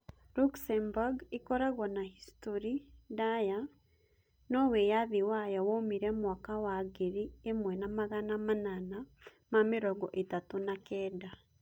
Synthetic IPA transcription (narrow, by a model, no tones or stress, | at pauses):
ɾuksɛmbaɡikɔɾaɣɔnahistoɾidaja | nɔwejaðiwajawomiɾɛmwaːkawaɣeɾiemwɛnamaɣanamanana | mamiɾɔɣɔʔetatunakɛːda